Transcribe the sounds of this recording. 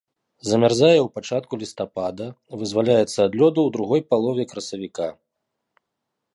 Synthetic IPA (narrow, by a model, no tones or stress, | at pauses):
zɐmʲarzajɛwpat͡ʂat̪̚kulʲist̪apad̪ɐ | vɨzvalʲajɛt̪sːɐːd̪lʲɔd̪ɐwd̪ɾuɣɔjpalˠɔvʲɛkɾɐsɐvʲika